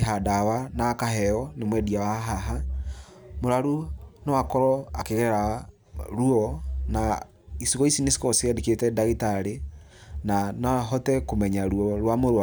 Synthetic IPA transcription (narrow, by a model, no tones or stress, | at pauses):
ɦadawanakaɦɛɔnemwɛdiawaɦaɦa | moɾaɾunɔwakɔɾɔakeɣɛɛɾa | ɾuɔna | isiɣɔisinesi̥kɔsiɛdeketɛdaɣetaɾe | nanaaɦɔtɛkomɛɲaɾuɔɾwamoɾa